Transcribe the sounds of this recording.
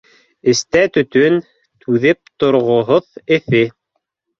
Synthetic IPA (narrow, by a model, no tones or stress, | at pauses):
ɘ̆st̪æt̪ɵ̆t̪ɵn | t̪ʰʉðɘp̚t̪ŏɾʁŏɦoðɘ̆θɘ